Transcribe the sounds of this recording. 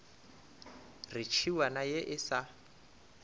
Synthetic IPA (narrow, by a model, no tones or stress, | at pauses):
rɪt͡ʃʰiwanajeʔɪsa